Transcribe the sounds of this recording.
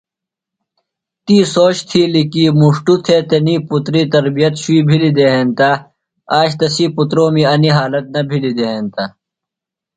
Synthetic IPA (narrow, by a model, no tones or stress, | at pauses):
t̪iːsoːɕt̪ʰiːlikiːmuʂʈut̪ʰeːt̪ɐniːput̪ɾiːt̪ɐɾbijɐt̪ɕuiːbʱilid̪eɦeːnt̪a | aːɕt̪ɐsiːput̪ɾõːmiɐniɦaːlɐt̪̚nɐbʱilid̪eɦeːnt̪a